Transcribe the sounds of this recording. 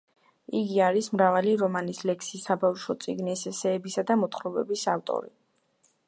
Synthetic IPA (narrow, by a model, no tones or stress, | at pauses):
iɡiaɾismɾavaliɾɔmanislɛkʰsisːabafʃɔt̪sʼiɡnisɛsɛːbisad̪amɔt̪ʰχɾɔbɛbisaft̪ʼɔ̰ɾḭ